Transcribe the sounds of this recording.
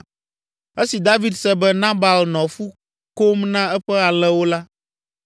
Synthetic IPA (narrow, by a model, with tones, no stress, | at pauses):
e˦si˨d̪a˦vi˦d̪sɛ˦bɛ˦nã˦ba˨lnɔ̃˨fu˦ | ko˦mnã˦ɛ˦ɸɛ˦a˨l̃ɛ̃˦wo˦la˦